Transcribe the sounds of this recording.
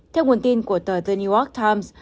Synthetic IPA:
t̪ʰɛ˧wŋu˨˩ənt̪i˧nku˧˩ət̪əː˨˩t̪ə˧nu˧jɔ˦˥k̚t̪ʰa˧ms

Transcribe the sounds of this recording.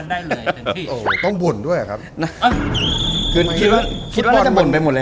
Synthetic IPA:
a˥˩˧ʔɤː˨˧˩t̪ɔ˥˩ŋbu˨˩əndu˥˩əja̰˨˩a˦˥p̚n˧ | kʰɯː˧˩˥i˧t̪̚waː˥˩kʰi˦˥w̚ːbɔ˥˧˥bu˨˩npa˧jmo˨˩t̚lɛː˦˥

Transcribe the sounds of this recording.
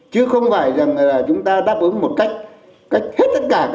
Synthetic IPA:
t͡ɕɨ˨˧˦əxə˧wŋ͡mfaː˧˩jza˨˩ŋlaː˨˩t͡ɕʊ˨˦ŋ͡mt̪aː˧ɗaː˦˥p̚ʔɨ˨˦ŋmo˨˩t̚ka˦˥jk̟̚ | ka˦˥jk̚t̪ʰe˦˥t̚t̪ə˦˥t̚kaː˧˩ka

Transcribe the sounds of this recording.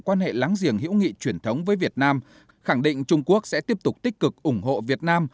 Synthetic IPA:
kwaː˧nhḛ˧˨laː˨˦ŋzi˧˩əŋhḭ˧˥wŋḭ˧˨t͡ɕwi˧˩ənt̪ʰə˨˦wŋ͡mvəː˨˦jvi˨˩ət̚naː˧m | xa˧˩ŋɗḭ̈˧˨ŋ̟t͡ɕʊ˧ŋ͡mku˦˥ək̚sɛ̰˧˥t̪i˦˥əp̚t̪ʊ˨˩k͡p̚t̪i˦˥k̟̚kɨ˨˩k̚ʔʊ˧˩ŋɦo̰˧˨vi˨˩ət̚naː˧m

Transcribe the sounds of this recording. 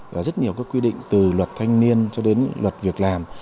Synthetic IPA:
vaː˨˩zə˦˥t̚ɲi˨˩əwkaː˨˦˥kːwi˧ɗḭ˧˨ŋ̟t̪ɨ˨˩lwə˨˩t̚t̪ʰa˧jŋ̟ni˧ənt͡ɕɔ˧ɗe˨˦nlwə˨˩t̚vi˨˩ək̚laː˨˩m

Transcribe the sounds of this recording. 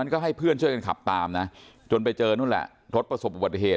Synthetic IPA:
nkɔː˥˩ɦa˥˩jpʰɯ˥˩ənt͡ɕu˥˩əjka˧nkʰa̰˨˩p̚t̪aː˧mna˦˥ | t͡ɕo˧npa˧jt͡ɕɤː˧nuː˦˥˩lɛ̰˨˩ʔ | ɾo˦˥t̪̚pɾa˧so˨˩p̚ʔu˨ba˨˩i˨ɦeː˨˩

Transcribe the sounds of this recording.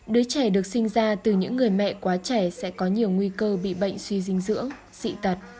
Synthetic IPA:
ɗɨ˨˦ət͡ɕɛ˧˩ɗɨ˨˩ək̚sï˧ŋ̟zaː˧t̪ɨ˨˩ɲɨ̰˧˥ŋːɨ˨˩əjmɛ̰˧˨kwaː˨˦t͡ɕɛ˧˩sɛ̰˧˥kɔ˨˦ɲi˨˩əwŋwi˧kəː˧ɓḭ˧˨ɓə̰˧˨jŋ̟swi˧zï˧ŋ̟zɨ̰˧˥əŋ | sḭ˧˨t̪ə˨˩t̚

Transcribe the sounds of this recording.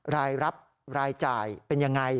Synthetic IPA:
raː˧jɾa˦˥p̚ | raː˧jt͡ɕaː˧jpenjaː˧ŋa˧j

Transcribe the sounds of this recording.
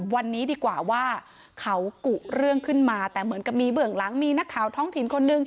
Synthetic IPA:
wa˧nːiː˦˥diː˧kwaː˨˩waː˥˩ | kʰa˦˥wku˨˩ɾɯ˥˩əŋkʰɯ˥˩nmaː˧t̪ɛː˨˩mɯ˩˦nka˨˩p̚miː˧bɯ˨˩əŋla˩˦ŋmiː˧na˦˥kʰːaː˨˩˦wt̪ʰɔː˦˥ŋt̪ʰi˨˩˦nkʰo˧nːɯ˨˧ŋ

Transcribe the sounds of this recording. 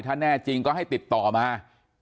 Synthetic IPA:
jt̪ʰa˧˥nɛː˧˩t͡ɕi˧ŋkɔː˨˧˦ha˥˩jt̪i˨˩p̚t̪ɔː˨˩maː˨˧

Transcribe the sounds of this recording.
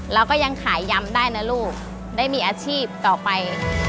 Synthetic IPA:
lɛː˧˥wkɔː˥˩ja˧ŋkʰaː˩˦jːa˧mdaː˥˩jna˦˧˥jluː˥˩p̚ | daː˥˩jmiː˧˥ʔaː˧t͡ɕʰiː˥˩p̚t̪ɔː˨˩pa˧j

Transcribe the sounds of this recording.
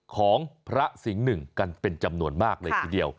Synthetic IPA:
kʰɔː˩˦ŋpʰɾa˦˥si˩˦ŋnɯ˨˩ŋka˧npe˧nt͡ɕa˧mnu˧ənmaː˥˩k̚lɤː˧t̪ʰiː˧˩di˧əw

